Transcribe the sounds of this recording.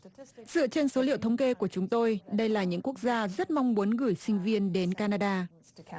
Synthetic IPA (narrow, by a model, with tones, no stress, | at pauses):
z̥ɨ̰˧˨ət͡ɕe˧nso˨˦lḭ˧˨əwt̪ʰə˧wŋ͡mke˧ku˧˩ət͡ɕʊ˨˦ŋ͡mt̪o˧jɗə˧jlaː˨˩ɲɨ̰˧˥ŋku˦˥ək̚zaː˧zə˦˥t̚ma˧wŋ͡mmu˨˦ənɣɨ˧˩əjsï˧ŋ̟vi˧ənɗe˨˦nkaː˧naː˧ɗaː˧